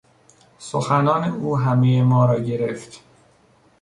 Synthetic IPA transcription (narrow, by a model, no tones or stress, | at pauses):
soxænɒːneuːɦæmejemɒːɾɒːɟeɾe̞ft̪